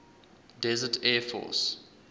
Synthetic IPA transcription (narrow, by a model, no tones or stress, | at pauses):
dɛzətʰɛfɔ̰s